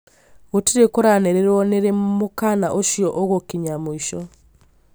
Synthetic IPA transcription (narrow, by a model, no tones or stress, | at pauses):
ɣotiɾekoɾaneɾeɾwoneɾemmukanaʔoʃioʔoɣokiɲamuiʃo